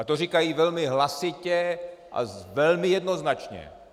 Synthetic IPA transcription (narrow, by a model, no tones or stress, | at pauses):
at̪oriːkajiːʋɛlmiɦlasicɛʔa̰ʋɛlmijɛd̪nɔznat͡ʃɲɛ̰